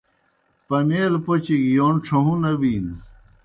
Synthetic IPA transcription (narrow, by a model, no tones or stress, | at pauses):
pɐneːlpot͡ɕikjonʈ͡ʂʰɐɦũnɐbiːn